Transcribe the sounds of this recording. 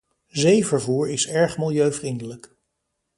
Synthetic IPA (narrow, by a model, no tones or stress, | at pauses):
zejvəɹvuːɹɪsɛɹχmɪlˠjøɥvrindələk